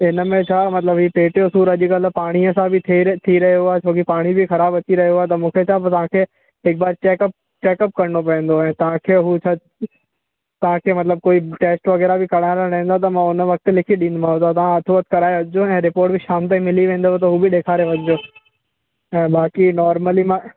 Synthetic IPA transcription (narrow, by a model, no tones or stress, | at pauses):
ɪnə̆mẽt͡ɕʰaːmɐt̪ləbɦiːpeːʈijosuːɾɐʄʊkɐlpaːɽ̃iəsãbʱɪt̪ʰiɾɐɦjoaːet͡ɕʰoːkipaːɽ̃ibʱɪxɐɾaːbɐt͡ɕiɾɐɦijooaːɦet̪ɐmũːkʰet͡ɕʰaːpɐt̪ɐʋ̤ãkʰeː | ɦɪk̚baːɾt͡ɕeːkəp̚ | t͡ɕeːkəp̚kɐɾɳopɐə̃ːn̆d̪oɛ̃ːt̪ɐʋ̤ãkʰeːɦut͡ɕʰaː | t̪ɐʋ̤ãkʰeːmɐt̪ləb̚koːiʈeːsʈʋɐɣɛːɾabʱɪkɐɽ̃aːɾaɾɐɦĩːnd̪at̪̬ɐmãʊnʋɐk̚t̪lɪkʰiɗĩnd̪mãɦʊ̃d̪at̪̬ɐʋ̤ãɐt̪ʰuʋət̪kɐɾaːeʋɐd͡ʑoɛ̃ːɾɪpoːɾʈbʱɪʃaːmt̪aĩmɪliʋẽːnd̪ot̪ɐɦuːbɪɗeːkʰaːɾeʋɐɲɪd͡ʑoː | ɛ̃ːbaːkinɔːɾməlimã